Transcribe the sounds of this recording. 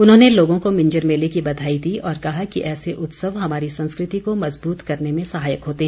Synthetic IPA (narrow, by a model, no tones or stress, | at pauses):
ʊnɦõːneloːɡõkomɪ̃ɲd͡ʒəɾmeːlekibɐd̪ʱaːid̪iːɔːɾkɐɦakḭʔɛːseʔʊt̪səʋɦɐmaːɾisɐ̃nskɾɪt̪ikomɐzbuːt̪kɐɾnemẽsɐɦaːjəkɦoːt̪eɦɛ̃